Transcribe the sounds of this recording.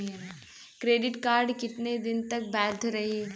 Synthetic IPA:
kɾeːɖɪʈkaːɾɖkɪt̪ned̪ɪnt̪ɐk̚bɛːd̪ʰɾɐɦiː

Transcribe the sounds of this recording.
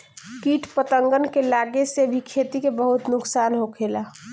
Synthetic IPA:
kiːʈʰpət̪əŋɡənkelaːɡesebʱikʰet̪ikebəɦʊt̪nʊksaːnɦokʰeːla

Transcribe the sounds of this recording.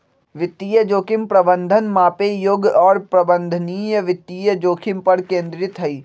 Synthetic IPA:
ʋɪt̪ːiːjəd͡ʒoːkɪmpɾɐbə̃nd̪ʱənmaːpejoɡɔːɾpɾɐbə̃nd̪ʱənijəʋɪt̪ːiːjəd͡ʒoːkʰɪmpɐɾkẽːnd̪ɾɪt̪ɦɐiː

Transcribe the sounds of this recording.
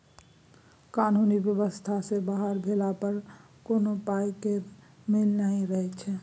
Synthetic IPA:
kaːnuːnibjəbəst̪ʰasebaɦəɾbʱelapəɾ | konopaekeɾ | mɪlnaiɾəɦɛt͡ʃʰɛ

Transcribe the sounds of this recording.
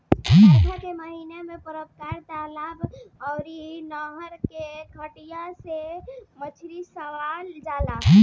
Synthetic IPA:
ɔ̃dʰʱakeməɦinemepəɾəpkaɾt̪alabɔʊɾinəɦəɾkekʰəʈijasemət͡ʃʰɾisəʋald͡ʒala

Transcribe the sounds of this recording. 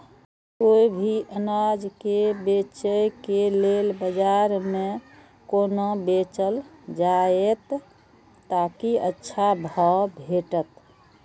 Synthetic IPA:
koibʱiʔənad͡ʒkebet͡ʃəjkelelbəd͡ʒaɾmẽ | koːnobet͡ʃəld͡ʒaet̪ː | akiətːʃʰabʱəbʱeʈət̪

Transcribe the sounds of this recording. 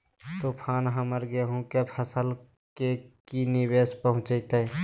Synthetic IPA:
t̪opʰaːnɦəməɾɡeɦũkepʰəsəl | kekinɪweːspəɦʊ̃t͡ʃət̪ə

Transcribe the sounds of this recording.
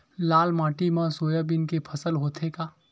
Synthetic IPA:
laːlmaːʈimãsoːjaːbɪnkepʰɐsəlɦoːt̪ʰeːɡaː

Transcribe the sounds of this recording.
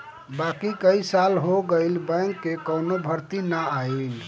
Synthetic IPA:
baːkikəisalɦoɡəilbə̃ŋkːekəːnobʱəɾt̪inəail

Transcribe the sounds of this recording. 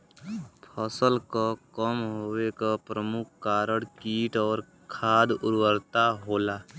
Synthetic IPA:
pʰəsəlkəkəmɦowekapɾəmʊkʰkːaːɾəɽkiːʈɔːɾ | kʰaːd̪ʊ̰ɾwəɾt̪aɦoːlaː

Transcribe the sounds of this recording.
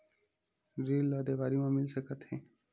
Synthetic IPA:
ɾilːɔd̪ebaɾimãmilsəkət̪ʰhẽ

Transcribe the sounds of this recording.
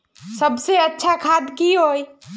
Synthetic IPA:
sɐbseɐtːʃʰakʰaːd̪kiɦoːi

